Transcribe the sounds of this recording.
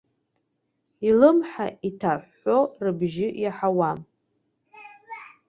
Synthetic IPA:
ilɨmħaʔitʰaħːo̞rɨbʒɪjaħawam

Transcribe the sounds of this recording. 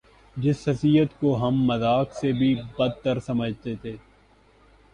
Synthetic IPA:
d͡ʒɪshɐsijət̪koɦɐmːɐzaːksebʱibɐd̪̚t̪əɾsɐməd͡ʒʱt̪et̪ʰeː

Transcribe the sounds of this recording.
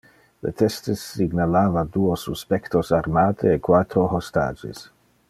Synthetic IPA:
lḛt̪ɛst̪esːiɡnalaːvad̪uːosuspɛkt̪osaɾmaːt̪ʰeːkwat̪ɾoɦost̪a̰ːd͡ʒḛs

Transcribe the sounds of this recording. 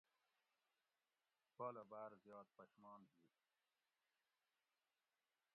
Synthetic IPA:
poːlɐbaːɾzjɑːt̪̚pɐɕmɑːnɦiː

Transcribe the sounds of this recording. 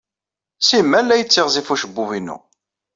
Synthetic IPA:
simːælːæjət͡sːɪʁzifuʃəbːuvinːṵ

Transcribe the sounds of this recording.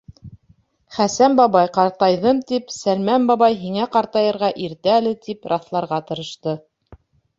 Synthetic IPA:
χæsæmbɑβɑjqɑɾt̪ɑjðɤmt̪ipsælmæmbɑβɑjɦiŋæqɑɾt̪ɑjɤ̆ɾʁɑʔiɾt̪ɘælɘt̪ipɾʔɑθlˠɑɾʁɑt̪ɤ̆ɾɤ̆ʃt̪ɤ

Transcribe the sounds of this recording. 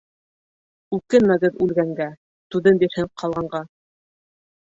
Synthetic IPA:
ʉkɘnmæɡɘðʉlɡæŋɡæ | t̪ʉðɘnbiɾhɘqʰɑlˠʁɑɴɢɑ

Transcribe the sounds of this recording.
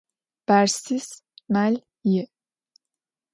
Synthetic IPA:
b̥æɾsismælʲ | ji

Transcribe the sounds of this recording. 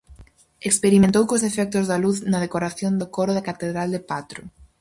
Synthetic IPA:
ekspeɾimẽnt̪owkosefɛk̚t̪ʊzðɐluθnɐðekoɾaθjond̪okoɾʊðɐkat̪eðɾald̪epat̪ɾʊ

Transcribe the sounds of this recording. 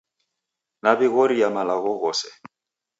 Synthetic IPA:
nabɪɣoɾijamalaɣɔɣɔːsɛ

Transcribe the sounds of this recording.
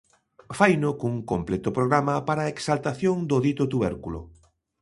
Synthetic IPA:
fajnʊkuŋkomplɛt̪ʊpɾoɣɾamɐpaɾaeksalt̪aθjoŋd̪ʊðit̪ʊt̪uβɛ̰ɾkulʊ̰

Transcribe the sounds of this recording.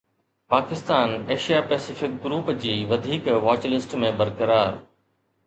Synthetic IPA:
paːkɪst̪aːneːʃijapɛːsɪfɪk̚ɡɾuːpd͡ʑiːʋɐd̪ʱiːkʋaːt͡ɕlɪsʈmẽbɐɾkəɾaːɾ

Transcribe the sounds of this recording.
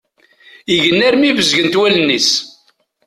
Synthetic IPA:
iʝənːæɾmivəzʝənt̪wælənːis

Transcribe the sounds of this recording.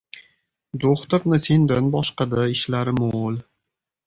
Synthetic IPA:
d̪oχt̪ʊɾnɪse̞nd̪anbɒʃqɑd̪aɪʃlaɾɪmol

